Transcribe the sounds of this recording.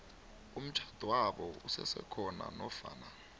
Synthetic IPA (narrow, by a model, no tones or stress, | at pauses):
um̩t͡ʃʰḁd̥ʱwaɓɔusɛsɛkʰɔna̰nɔfa̰ːna